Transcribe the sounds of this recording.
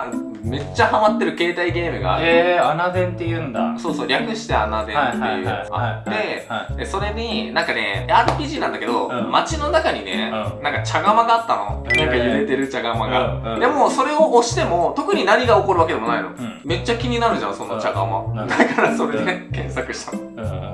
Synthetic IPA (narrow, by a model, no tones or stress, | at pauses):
a | me̞t͡ɕːahamat̪ːe̞ɾɯ̟ke̞ːt̪aiɡe̞ːmɯ̟ɡa̰eanad̪ẽnt̪ːejɯ̟nd̪aso̞ːso̞ːɾʲakɯ̟ɕi̥t̪e̞anad̪ẽ̞ant̪ːe̞̰jɯ̟̰a̰t̪ːe̞so̞ɾe̞ɲ̟inãŋkane̞̰aːɾɯpʲiːʑiːnãnd̪ake̞d̪o̞mat͡ɕino̞nakaɲ̟ine̞̰nãŋkat͡ɕaɡamaɡaːt̪ːano̰nãŋkajɯ̟ɾe̞t̪e̞ɾɯ̟t͡ɕaɡamaɡad̪e̞mo̞so̞ɾe̞o̞ʔːɕi̥t̪e̞mo̞t̪o̞kɯ̟ɲ̟inaɲʲiɡao̞ko̞ɾɯ̟βaked̪e̞m̞naino̞̰me̞t͡ɕːakʲiɲ̟inaɾɯ̟ɲd͡ʑã̰so̞nːo̞t͡ɕaɡama̰d̪akaɾaso̞ɾe̞d̪ekẽ̞ɰ̃sakɯ̟ɕi̥t̪ano